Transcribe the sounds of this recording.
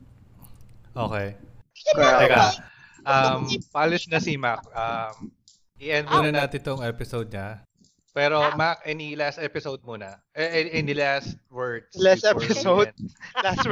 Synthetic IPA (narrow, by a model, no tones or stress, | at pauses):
ʔo̰ːkɛjkɐɡa | ʔɐmpalɪsnɐsimak̚ʔɐm | ʔɪʔɛnd̪̚muːnɐnaːt̪ɪt̪oŋɛpɪsowd̪̚ɲɐ | pɛːɾomakʔɛnilast̪ʔɛpɪsowd̪̚munɐʔɛʔʔɪnilast̪̚wɛɹd̪slasɛpɪsow̚last̪w